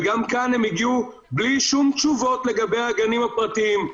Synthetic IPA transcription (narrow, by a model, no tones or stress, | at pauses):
ɡamkanhemiɡiu | bliʃumt͡ʃuvo̞tle̞ɡabe̞jaɡanimapʁat̪iim